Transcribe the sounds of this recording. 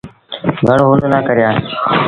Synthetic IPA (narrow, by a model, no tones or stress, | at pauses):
ɡʱəɳːɦuːnd̪naːkəɾɪjaː